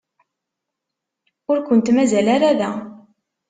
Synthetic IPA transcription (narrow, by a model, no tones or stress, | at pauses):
ʊɾkʷənt̪mæzælaɾaðæ